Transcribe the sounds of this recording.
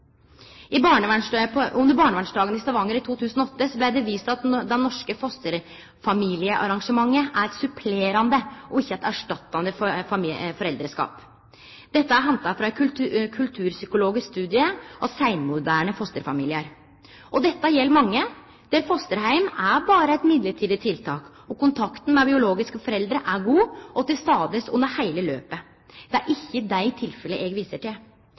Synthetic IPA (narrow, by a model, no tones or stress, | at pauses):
ɪbɑːɳəʋæʂpʊmd̪ɛbɑːɳəʋæɳʂɖɑːɡənɪst̪ɑʋɑŋːəɾɪt̪ʰuːt̪ʰʉːsənɔɔt̪ːəsɔblæɪd̪ɛʋiːst̪ɑt̪d̪ɛnːɔʂkəfɔst̪əɾ | fɑmiːlɪəʔɑ̰ɾɑŋʂəmɑŋːəʔæɾɛt̪sʉpʰleːɾɑnd̪əʔɔɪçːəæt̪æʂʈɑt̪ːɑnd̪əfffɔɾɛld̪ɾəʂkɑ̰ːp | d̪ɛt̪ːəæɾɦɑnt̪ɑfɾɑɛt̪kʰʉkʰʉlt̪ʰʉːɾsʏkʊloːɡɪskst̪ʉːd̪ɪəʔɔsæɪnmʊd̪æːɳəfɔst̪əɾfɑmiːlɪəɾ | ʔɔd̪ɛt̪ːɑjɛlːmɑŋːə | d̪̥ɛɾfɔst̪əɾhæɪmæɾbɑːɾəɛt̪mɪd̪ləʈʰiːd̪ɪt̪ʰɪlt̪ʰɑːk | ɔkʊnt̪ʰɑkt̪n̩mɛbɪʊloːɡɪskəfɔɾɛld̪ɾəʔæɡuːʔɔt̪ɪlst̪ɑːd̪əsʉnːəɾhæɪləløːpə | d̪̥ɛæɾʔɪçːəd̪æɪt̪ʰɪlfɛləʔɛːɡʋiːsəʈɪl